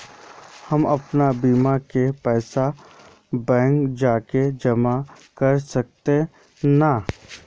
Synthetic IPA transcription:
hɐmɐpnabiːmakepɛːsa | bɛ̃ːŋkd͡ʒaːked͡ʒɐma | kɐɾsɐk̚t̪ẽ | na

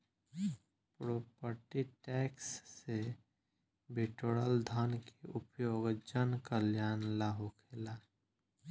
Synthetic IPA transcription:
pɾoːpəɾʈiʈɛːksːe | biʈoɽəld̪ʱənkeʔupjoːɡd͡ʒənkəljaːnlaɦokʰela

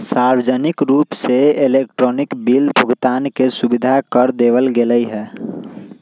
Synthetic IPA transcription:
saːɾwəd͡ʒənɪkɾuːpseɪleːk̚ʈɾɔːnɪkbilbʱəɡt̪aːnkesʊbɪd̪ʱakəɾd̪eːʋəlɡeləiɦɛː

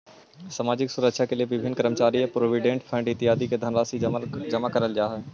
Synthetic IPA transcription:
saːmaːd͡ʒɪksʊɾəkʃʰakelieʋɪbʱɪnːkəɾəmət͡ʃaːɾijapɾoːʋɪɖẽːɳʈfʰə̃ɳɖɪt̪ɪɦaːd̪iked̪ʱənɾaːsid͡ʒɐmakɐɾəld͡ʒaːɦɛː

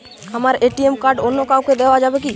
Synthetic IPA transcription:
hɐmaːɾʔeːʈiemkaːɾɖonːokauked̪eʋad͡ʒaːbeki

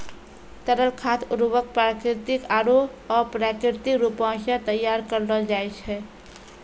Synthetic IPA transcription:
t̪əɾəlkʰaːt̪ʰʊɾwək̚pɾaːkɾɪt̪ɪkaːɾoɔːɾpɾaːkɾɪɾt̪ikɾuːpãːʃət̪əjːaːɾkəɾləld͡ʒaːɪʃɦɛː

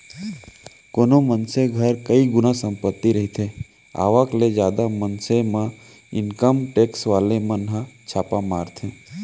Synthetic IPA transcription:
koːnomənseɡʱəɾkəiɡʊnasə̃mpət̪ːiɾəɦit̪ʰẽ | a̰ːʋakled͡ʒjaːd̪amənsemã | ɪnkəmʈeːksʋaːlemə̃nɦãt͡ʃʰaːpamaːɾt̪ʰẽ

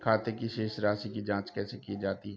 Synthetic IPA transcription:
kʰaːt̪ekiʃeːʃɾaːsikid͡ʒãːt͡ʃkɛːsekid͡ʒaːt̪iɛ

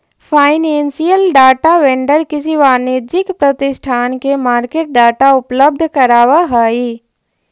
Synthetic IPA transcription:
pʰaːɪnẽːnsijəlɖaːʈaʋẽɳɖəɾkɪsiʋaːneːd͡ʒɪkpɾɐt̪ɪʃʈʰaːnkemaːɾkeːʈ̚ɖaːʈaʊpləb̚d̪ʱkɐɾaːwaɦaːiː

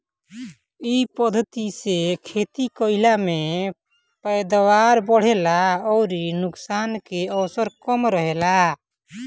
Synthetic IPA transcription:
ipəd̪ʱət̪isekʰet̪ikəɪlame | pəjd̪awaɾbəɽ̤elaɔːɾinuksankeɔwsəɾkɔmɾəɦela

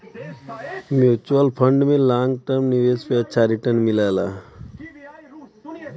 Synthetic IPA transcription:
mjuːt͡ʃuəlpʰəɳɖmẽlaːŋɡ̚ʈəɾmniʋeːspeətːʃʰaɾiʈənmilajla

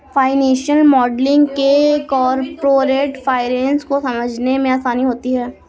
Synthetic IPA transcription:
faːɪnẽːʃəlmɔːɖlɪ̃ŋɡkekɔːɾpɾoːɾeːʈfaːɪɾɛ̃ːnskosɐməd͡ʒʱnemẽaːsaːniɦoːt̪iɦɛː

